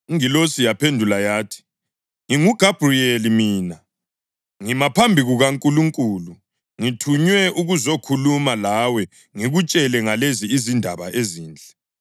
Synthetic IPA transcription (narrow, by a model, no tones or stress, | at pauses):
ŋilosijapʰendʱulajaːtʰi̥ | ŋiŋuɡ̥ʱab̥ʱrielimiːna | ŋimapʰambʱiɣuɣaŋkʼuluŋkʼuːlu | ŋitʰuɲwɛʔuɣuzokʰulumalawɛ | ŋiɣut͡ʃʼɛlɛŋaleziːzindʱaβaʔeziːnd͡ɮʱɛ